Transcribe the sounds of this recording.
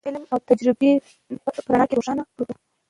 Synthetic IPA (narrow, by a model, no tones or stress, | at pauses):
ɪlmawt̪ad͡ʒɾɪbe | pəɾaɳɑkeɾoʃɑnapuɾu